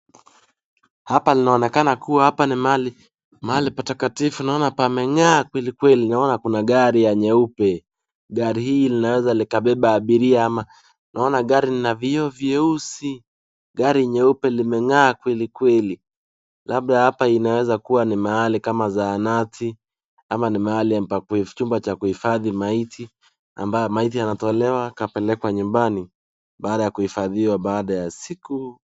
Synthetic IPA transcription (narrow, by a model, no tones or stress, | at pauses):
hapalinaɔnɛkanakuwahapanimali | maalipatakatifunaɔnapamɛŋaːkwɛlikwɛlinaɔnakunaɠaɾijaɲɛupɛ | ɠaɾihiːlinawɛzalikaɓɛɓaːɓiɾiaama | nʔaɔnaɠaɾininaviɔvjɛusi | ɡaɾiɲɛupɛlimɛŋaːkwɛlikwɛli | lab̚ɗahapainawɛzakuwanimaalikamazaːnatʰi | amanimaaliapakt͡ʃumbat͡ʃakuhifaðimaitʰi | a̰mbajɔmait̬ijanatɔlɛwakapɛlɛkwaɲumbani | ɓaːɗajakuhifaðiwaɓaːɗajasiku